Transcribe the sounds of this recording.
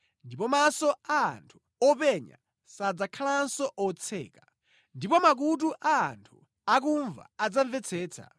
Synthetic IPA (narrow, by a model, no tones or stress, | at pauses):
ndipɔmasɔa̰ːntʰu̥ | ɔpɛɲa̰ | sad͡zakʰalansɔʔɔt͡sʰɛ̰ːkḁ | ndipɔmak̬ut̬uʔaːntʰu | ak̬uɱva̰ad͡zaɱvɛt͡sʰɛːt͡sʰa̰